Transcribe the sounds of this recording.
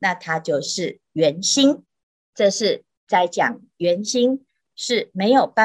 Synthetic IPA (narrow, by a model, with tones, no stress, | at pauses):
na˥˩t̪ʰa˥t͡ɕjo˥˧ʊʂɻ̩˥˩ | ɥɛ˧˥nɕi˥n | ʈ͡ʂɤ˥˧ʂɻ̩˥˧ | t͡sa˥˩ɪt͡ɕjɑ˨˩˦ŋ | ɥɛ˧˥nɕi˥ŋ | ʂɻ̩˥˩me˧˥ɪjo˨˩ʊpa˥